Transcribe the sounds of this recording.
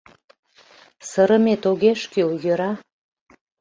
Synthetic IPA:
səɾə̆met̪oɣeʃkywjøɾɑ

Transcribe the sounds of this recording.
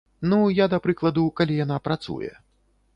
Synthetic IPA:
nujad̪ɐpɾɨklˠɐd̪ukalʲijanapɾat̪sṵjɛ̰

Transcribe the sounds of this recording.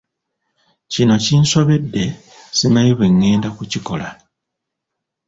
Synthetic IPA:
cino̞cinso̞βe̞dːe̞ | sinajiβeŋːe̞ːndakuciko̞la

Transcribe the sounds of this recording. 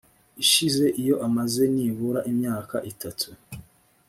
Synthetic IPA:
iʃize̞ʔijo̞ʔamaze̞niβuɾaʔimɲaːka̰ʔitatʰu

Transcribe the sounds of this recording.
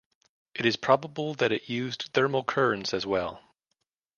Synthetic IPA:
ʔɨɾɨz̥pʰɹ̥ɑbəbl̩ˠðɨɾɨʔjʉzθɜ˞məl̩ˠkʰɜ˞ɨ̃nsɨzwɛlˠ

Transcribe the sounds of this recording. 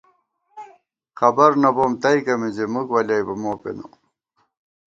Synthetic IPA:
kɐbɐɾnɐboːmt̪ɐjkɐmizemukwɐlajbɐmoːpḛno̰

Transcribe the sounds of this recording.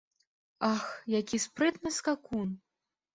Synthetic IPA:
axjakʲispɾɨt̪nɨskakun

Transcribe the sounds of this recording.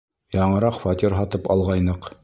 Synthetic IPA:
jɒɴɤ̆ɾɑqfat̪ʲiɾɦɒt̪ɤpɑ̰lˠʁɑjnɤq

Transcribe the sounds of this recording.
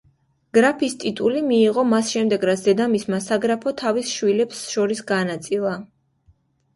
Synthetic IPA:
ɡ̥ɾapʰist̪ʼit̪ʼulimiːʁɔmasʃɛmd̪ɛɡɾat̪sʰd̪ɛd̪amismasaɡɾapʰɔt̪ʰavisʃwilɛpsʃɔɾisɡanat̪sʼilˠa

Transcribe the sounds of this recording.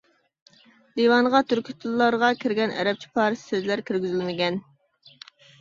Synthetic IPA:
d̪iwɑnʁɑt̪ʰyɾkʲʰit̪ʰulˠːɑɾʁɑkʲʰiɾɡʲɛnʔɛ̰ɾɛp̚t͡ʃʰi̥pʰɑːɾssezlæɾkʲʰyɾɡʲyzilmɪɡʲɛn

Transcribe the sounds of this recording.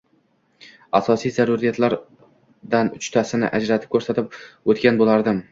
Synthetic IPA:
asɒsijzaɾʊɾijat̪ʰlaɾ | d̪anʊt͡ʃt̪ʰasɪnɪ̰ʔad͡ʒɾat̪ʰɪp̚kʲʰːɵɾsat̪ɪp̚ot̪kʲanbolaɾd̪ɪm

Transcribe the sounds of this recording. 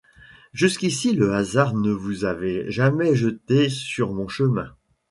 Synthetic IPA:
ʒyskʲisiləazaʁnəvuzavɛʒamɛʒət̪esyʁmɔ̃ʃəmɛ̃

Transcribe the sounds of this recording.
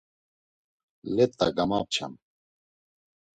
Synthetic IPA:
lɛt̪ʼːa̰ɡamap̚t͡ʃʰa̰m

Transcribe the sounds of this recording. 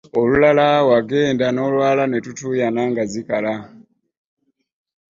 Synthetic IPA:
olulalawaɡeːndano̞lwaːlanetutujanaŋɡazikala

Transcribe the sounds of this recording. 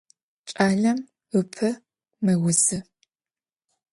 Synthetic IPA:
t͡ʃʼaːɮɐm | ɨpʰɐ | mɐwʊzɨ

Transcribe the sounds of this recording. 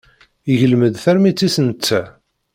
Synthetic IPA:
iʝəlməd̪θæɾmit͡sːisənt͡sːæ

